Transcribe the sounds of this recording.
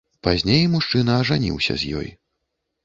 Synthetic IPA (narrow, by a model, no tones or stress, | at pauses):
pazʲnʲejmuʂt͡ʂɨnɐːʐanʲḭwsʲɐ̰zʲjɔ̰j